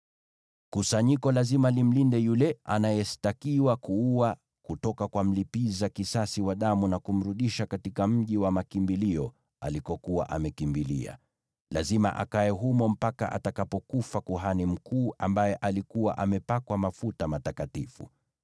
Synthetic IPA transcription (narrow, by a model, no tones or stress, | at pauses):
kusaɲikɔlazimalim̩lindɛjulɛʔa̰najɛstakiwakuua | kutɔkakwam̩lipizakisasiwaɗamunakum̩ɾuɗiʃakatikam̩ʄiwamakimbiliɔ | a̰likɔkuwa̰ʔamɛkimbilḭa̰ | lazima̰ʔa̰kajɛɦumɔm̩paka̰ʔa̰takapɔkufakuɦanim̩kuːʔambajɛʔalikuwaʔamɛpakwamafutamatakatifṵ